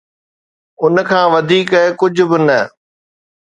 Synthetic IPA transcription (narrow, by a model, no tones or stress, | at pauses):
ʊnkʰãːʋɐd̪ʱiːkəkʊd͡ʑʱʊ̆bɪnɐ